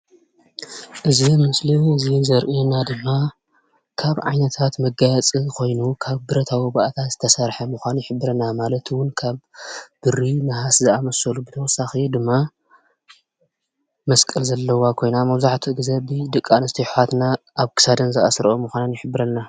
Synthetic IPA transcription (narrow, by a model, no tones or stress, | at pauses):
ʔɨzimɨsliɨzizɐɾʔinad̪ɨmːa | kʰaβʕa̰jnɐt̪ʰat̪mɐɡajt͡sʼikʰo̞jnukʰaβbɨɾɐt̪ʰawibaʔat̪ʰat̪z̥ɨt̪ʰɐsɐɾħɐmɨxʷanjɪħɨbːɨɾɐnamalɐt̪ʰwʊnkʰaβb̥ɨɾimɨhaszɨamɐsɐlubɨt̪ʰɐwɔsːaxid̪ɨmːa | mɐskʼɐlzɐlːɐwakʰo̞jnamɐβzaħt̪ʰiʔɨɡzɐbɨd̪ɨkʼːanɨst̪ʰiħat̪naʔaβkʰɨ̥sad̪ɐnzɨʔa̰sɾʔomɨxʷanɐnjɪħɨbːɨɾɐlna